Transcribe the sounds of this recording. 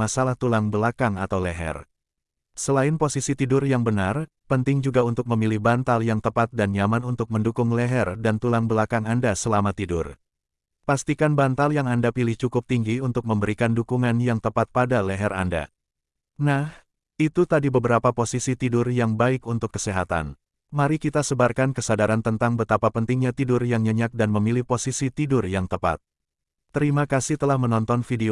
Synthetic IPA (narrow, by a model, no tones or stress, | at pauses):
masalaht̪ulaŋbəlakaŋat̪awlɛɦɛ̰r | səlaɪnposisit̪idʊrjaŋbənar | pənt̪ɪŋd͡ʒuɡaunt̪ʊk̚məmilihbant̪aljaŋt̪əpat̪̚danjamanunt̪ʊk̚məndukʊŋlɛɦɛrdant̪ulaŋbəlakaŋandasəlamat̪idʊ̰r | past̪ikanbant̪aljaŋandapilɪht͡ʃukʊp̚t̪iŋɡiunt̪ʊk̚məmbəɾikandukuŋanjaŋt̪əpat̪̚padalɛɦɛra̰nda̰ | nah | it̪ut̪adibəbəɾapaposisit̪idʊrjaŋbaɪkunt̪ʊkːə̥seɦat̪a̰n | maɾikit̪asəbarkankəsadaɾant̪ənt̪aŋbət̪apapənt̪iŋɲat̪idʊrjaŋɲəɲak̚danməmilihposisit̪idʊrjaŋt̪əpa̰t̪̚ | t̪ːəɾimakasit̪əlahmənɔnt̪ɔnfide